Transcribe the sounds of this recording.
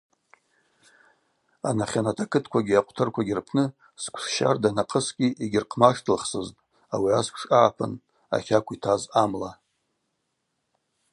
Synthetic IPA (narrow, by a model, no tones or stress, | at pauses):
a̰naχʲanatʰakʰɨtʰkʷʰaɡʲiaqʷʰʼtʰɨrkʷʰaɡʲɪrpʰnɨ | skʷʰsʃa̰rdanaqʰʼəsɡʲʼiʔiɡʲɪrqʰmaʂtʰɨlχsɨztʼ | awiaskʷʰʂʼaʕapʰa̰n | a̰χʲakʷitʰazamla